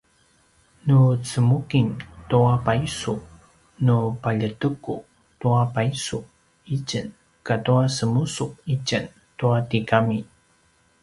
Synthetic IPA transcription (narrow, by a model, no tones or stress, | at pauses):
nut͡səmukintuapaisu | nupaʎətəku | tuapaisuk | it͡ʃən | katuasəmusuk̚icən | tuatikami